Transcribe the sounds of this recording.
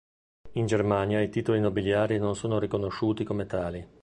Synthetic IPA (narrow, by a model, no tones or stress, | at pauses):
ind͡ʒermanjait̪iːt̪olinobiljaːɾinonsoːnoɾikonoʃːuːt̪ikomet̪aːli